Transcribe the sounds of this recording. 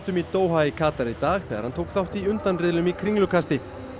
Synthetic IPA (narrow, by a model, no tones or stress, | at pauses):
t̪ʏmit̪oːwɦaikʰaːt̪aɾɪt̪aːxθɛːɣaɾhant̪ʰoːwkθawht̪iʏnt̪anrɪðlʏmikʰɾiŋlʏkʰast̪ɪ